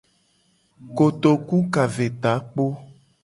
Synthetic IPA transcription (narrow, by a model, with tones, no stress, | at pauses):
ko˨t̪o˨ku˦ka˨ve˨t̪a˨˦k͡po˦